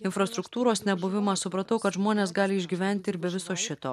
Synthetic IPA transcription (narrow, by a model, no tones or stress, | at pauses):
ɪnfɾɐst̪ɾʊkt̪uːɾoːsnʲɛbʊʋʲɪmɑsʊpɾɐt̪ɐʊkɐt̪ʒmoːnʲeːsɡɑːlʲɪɪʒʲɡʲiːʋʲæˑnʲt̪ʲɪɪɾbʲɛʋʲɪsoːʃʲɪt̪o̰ː